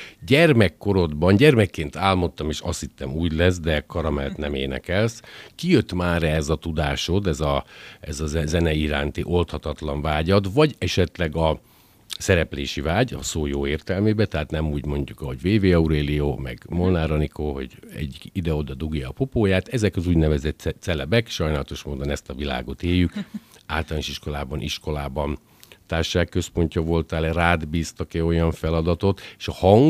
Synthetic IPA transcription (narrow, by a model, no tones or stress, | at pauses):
ɟɛrmɛkːo̞ɾo̞d̪bɒnɟɛrmɛkːeːnt̪aːlmo̞t̪ːɒmeːʃɒ̰sit̪ːɛmuːɟlɛz̬d̪ɛkɒɾɒmɛlt̪nɛmeːnɛ̰kɛlskijøt̪maːɾɛzɒt̪ud̪aːʃo̞d̪ɛzɒɛzɒzzɛnɛiɾa̰ːnt̪iʔo̞lt̪hɒt̪ɒt̪lɒɱvaːɟɒd̪vɒɟɛʃɛt̪lɛɡɒ | sɛɾɛpleːʃivaːɟɒ̰soːjoːeːrt̪ɛlmeːbɛt̪ɛɦaːt̪nɛmuːɟmo̞ɲɟukɒɦo̞ɟveːveːɒuɾeːlioːmɛ̰ɡmolnaːɾɒnikoɦo̞̰ɟɛ̰ɟːid̪ɛo̞d̪ɒd̪uɡjɒːpopoːjaːt̪ɛzɛkɒzuːɟnɛvɛzɛt̪t̪sɛlɛbɛkʃɒjnaːlɒt̪o̞ʃmoːd̪o̞nɛst̪ɒvila̰ːɡo̞t̪eːjːyka̰ːlt̪ɔlaːniʃiʃko̞laːbɒnʔiʃko̞laːbɒn | t̪aːrʃaːkːø̞spo̞ɲcɒvo̞lt̪aːlɛraːd̪biːst̪ɒkɛo̞jɒɱfɛlɒd̪ɒt̪o̞t̪eʃɒhɒŋ